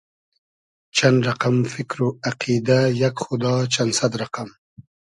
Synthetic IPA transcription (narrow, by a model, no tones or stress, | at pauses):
t͡ʃanɾaqamfɪkɾoaqid̪ajakxʊd̪ɑt͡ʃansad̪ɾaqam